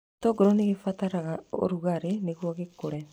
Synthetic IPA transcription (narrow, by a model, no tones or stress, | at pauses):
toːɡoɾoneɣefataɾaɣao̰ɾuɣaɾeneɣwɔɣekoɾɛ